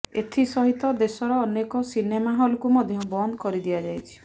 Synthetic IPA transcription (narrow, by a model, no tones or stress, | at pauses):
et̪ʰisɔɦit̪ɔd̪esɔɾɔːnekɔsinemaɦɔlɔkumɔd̪ʱjɔbɔnd̪ɔkɔɾid̪iad͡ʒajt͡ʃʰi̥